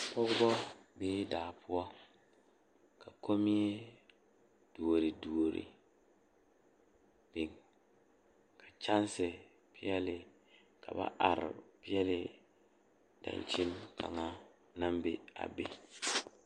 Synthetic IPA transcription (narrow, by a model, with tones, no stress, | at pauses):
pɔ˦ɡʊ˦bɔ˦beː˦daː˨pʰʊ˦ɔ˦ | ka˨ko˦mi˦e˦ | d̥u˨o˨ɾɪ˨du˨o˨ɾḭ˨ | b̥ɪ˨ŋ | kʰa˨t͡ʃa˦n˦sɪ˨ | pi˦jɛ˦lɪ˨ | ka̰˨ba̰˦ʔa˨ɾɪ̰˨pɪ˦jɛ˦lɪ˨ | dã̰˨nt͡ʃi˦nkʰa̰˨ŋa˦ | na˦mbe˦a̰˨be˦